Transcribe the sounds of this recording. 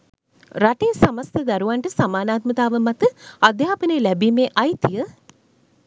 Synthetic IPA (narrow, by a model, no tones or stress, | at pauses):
ɾaʈejsamɐst̪ʰəd̪aɾuʋaɳʈəsamaːnaːt̪mət̪aːʋəmat̪əad̪jaːpəneːlæbiːmeːʔajt̪ijə